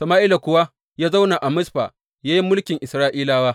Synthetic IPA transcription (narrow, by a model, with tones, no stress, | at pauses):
sɐ˨maː˦ʔiː˦la˨kʷʊ˦wa˦ | jaː˦za˦wna˨ʔa˨mʊ˦sɸa̰˨ | jaː˦ji˦mʊ˦lkʲɪ˨ŋʔɪ˨sɾaː˦ʔiː˦laː˨waː˦